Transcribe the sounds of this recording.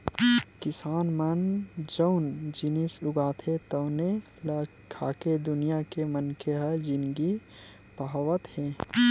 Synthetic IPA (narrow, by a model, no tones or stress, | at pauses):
kɪsaːnmɐnd͡ʒəʊnd͡ʒɪnɪsʊɡaːt̪ʰet̪əʊne | l | kʰaːked̪ʊnijakemənkeɦɛd͡ʒɪnɡi | paɦʋət̪hɛ̃ː